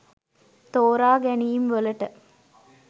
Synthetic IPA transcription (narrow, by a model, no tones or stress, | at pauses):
t̪oːɾaːɡænijimʋələʈə